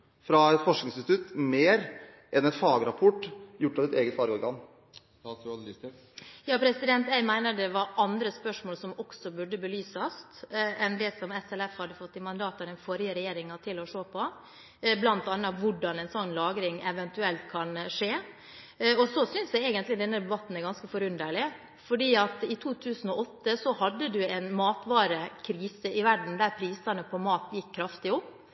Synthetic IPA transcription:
fɾɑɛt̪fɔʂnɪŋsɪt̪nst̪ʉt̪ːmeːɾ | ʔɛnɛt̪fɑːɡəɾɑpʰɔʈːjʊʈːɑʋɛt̪eːɡət̪fɑːɾɔɾɡɑn | jɑːpʰɾɛsɪd̪ɛnt̪æɪmæɪnəd̪ɛʋɑɾɑnd̪ɾəspœʂmoːlsɔmɔksɔbʉɖːəbəlyːsɑst̪ɛnd̪ɛsɔmɛsɛlɛfhɑd̪ːəfɔt̪ːɪmɑnd̪ɑːt̪ɑɾɛnfɔɾjəɾɛjeːɾɪŋɑt̪ʰɪlɔʂoːpʰɔ | blɑnt̪ɑnːɑʋʊɖɑnɛnsɔnlɑːɡɾɪŋɛʋɛnt̪ʉɛlt̪kʰɑnʂeː | ɔsɔsʏnsd̪æɛɪɡənt̪lɪd̪ɛnːəd̪ɛbɑt̪ːn̩æɾɡɑnskəfɔɾʉnd̪əɭɪ | fɔɖiːɑt̪ɪt̪ʰuːt̪ʰʉːsn̩ɔʔɔt̪ːəsɔhɑd̪ːəd̪ʉɛnmɑːt̪ʋɑːɾəkʰɾiːsəʔɪʋæɖɳ̩d̪æɾpʰɾiːsɑnəpʰɔmɑːt̪jɪkʰːɾɑft̪ɪʊpː

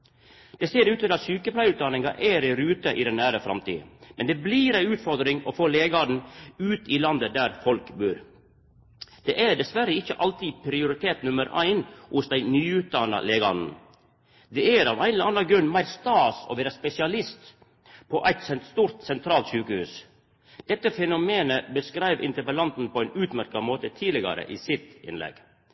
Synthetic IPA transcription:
d̪̥ɛseːɾʉːt̪ɪlɑt̪syːkəpʰlæɪʉːt̪̚d̪ɑnɪŋɑʔæːɾɪɾʉːt̪əʔɪd̪ɛnnæːɾəfɾɑ̰mt̪ḭːmɛnd̪ɛbliːɾæɪʉːt̪fɔɾd̪ɾɪŋɔfoːleːɡɑn̩ʉːt̪ʰiːlɑnd̪əd̪æɾfɔlkbʉːɾ | d̪̥ɛʔæɖ̪ɛsʋæɾəɪçːəʔɑlt̪iːpʰɾɪʊɾɪt̪ʰeːt̪nʉməɾæ̰ɪnhʊsd̪æɪnyːʉːt̪̚d̪ɑnɑ̰leːɡɑnn̩ | d̪ɛæɾɑ̰ʋæɪnɑnːɑɡɾʉnmæɪɾst̪ɑːsɔ̰ʋeːɾɑspɛsɪɑlɪst̪ | pʰɔʔæɪt̪sɛnt̪st̪uːɾt̪sɛnt̪ʰɾɑːlt̪ʃʉːkəhhʉ̰ːs | d̪̥ɛt̪ːəfɛnʊmeːnəbəskɾæɪʋɪ̰nt̪əpəlɑnt̪n̩pʰɔæɪnʉːt̪mæɾkɑmoːt̪ət̪ʰiːlɪɡɑ̰ɾə̰ʔiːsɪt̪ɪ̰nlɛ̰ɡ̥

